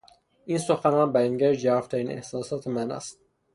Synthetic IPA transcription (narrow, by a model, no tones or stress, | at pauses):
ʔiːnsoxænɒːnbæjɒːŋɡæɾd͡ʒæɾft̪ʰæɾiːne̞̰hsɒːsɒːt̪ʰemænæ̰st̪̚